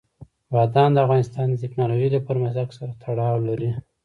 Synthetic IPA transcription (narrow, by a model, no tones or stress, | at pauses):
wɑd̪ɑnd̪əafɣɑnɪst̪ɑnd̪ətɪknɑloʒilapəɾmazaksaɾat̪ʰaɽɑwlaɾi